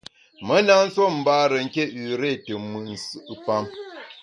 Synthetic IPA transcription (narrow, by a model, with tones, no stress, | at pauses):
mə˦na˦n̩˦so˦m̩˨ba˦ɾə˨ŋ̩˨ke˦ʉ˨ɾe˦˨tə˨mɨ˨n̩˨sɨ˦ʔpa˦m